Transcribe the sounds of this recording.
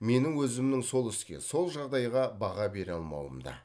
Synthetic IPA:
me̞nɪŋwɵzɪmnɪŋso̞lˠɪskʲe̞̰so̞lˠʒɑʁd̪ɑjʁɑbɑʁɑbe̞ɾɑlˠmɑ̰wə̰md̪ɑ̰

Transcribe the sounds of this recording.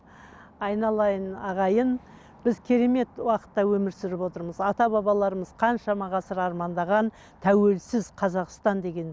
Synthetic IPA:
ɑjnɑlˠɑjənɑʁɑjən | bɪzkʲʰe̞ɾe̞me̞t̪wɑqə̥t̪ːɑwɵmɪɾsɪɾɪpwo̞t̪əɾməzɑt̪ɑbɑbɑlˠɑɾəməzqʰɑnʃɑmɑʁɑsəɾɑɾmɑnd̪ɑʁɑn | t̪ʰæwe̞lsɪzqʰɑzɑqst̪ɑnd̪e̞ɡʲe̞n

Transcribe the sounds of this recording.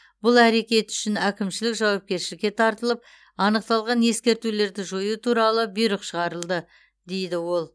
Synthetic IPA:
bʊlˠæɾe̞kʲe̞t̪ʏ̥ʃɪnækʲɪmʃɪlɪkʒɑwɑp̚kʲe̞ɾʃɪlɪkʲːe̞t̪ʰɑɾt̪əlˠəp̚ | ɑnəq̚t̪ɑlˠʁɑne̞skʲe̞ɾt̪ule̞ɾd̪ɪʒo̞jut̪ʰuɾɑlˠəbijɾəqʃəʁɑɾəlˠd̪ə | d̪e̞jd̪ɪwo̞lˠ

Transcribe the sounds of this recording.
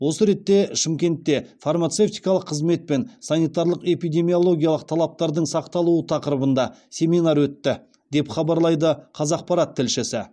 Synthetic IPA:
wo̞səɾe̞t̪ːe̞ʃɪmkʲe̞nt̪ːe̞farmat̪se̞ft̪ijkɑlˠəqʰːəzme̞t̪̚pe̞nsɑnijt̪ɑɾlˠəqe̞pijd̪e̞mijo̞lˠo̞ɡʲijɑlˠəq̚t̪ʰɑlˠɑp̚t̪ɑɾd̪əɴsɑqt̪ɑlˠuət̪ʰɑqəɾəbənd̪ɑsʲe̞minɑɾwɵt̪ːɪ | d̪e̞pχɑbɑɾlˠɑjd̪əqʰɑzɑq̚pɑɾat̪ʰːɪlʃɪsɪ

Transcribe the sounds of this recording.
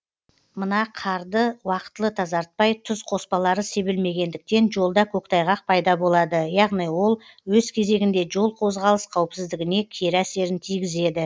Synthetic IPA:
mənɑqʰɑɾd̪əwɑqə̥t̪əlˠət̪ʰɑzɑɾt̪̚pɑjt̪ʰʊzqʰo̞spɑlˠɑɾəse̞bɪlme̞ɡʲe̞nd̪ɪk̚t̪e̞nʒo̞lˠd̪ɑkʲʰɵkt̪ʰɑjʁɑq̚pʰɑjd̪ɑbo̞lˠɑd̪əjɑʁnijwo̞lˠ | wɵzkʲʰe̞ze̞ɡʲɪnd̪e̞ʒo̞lˠqʰo̞zʁɑlˠəsqʰɑwpsɪzd̪ɪɡʲɪne̞kʲʰeɾæse̞ɾɪnt̪ʰijɡʲɪze̞d̪ɪ

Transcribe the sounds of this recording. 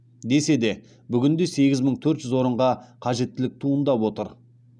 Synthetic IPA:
d̪e̞se̞d̪e̞ | bʏɡʲɪnd̪e̞se̞ɡʲɪzməɴt̪ʰɵɾt̪ʒ̥ʏzwo̞ɾəɴʁɑqʰɑʒe̞t̪ːɪlɪk̚t̪ʰuənd̪ɑpwo̞t̪əɾ

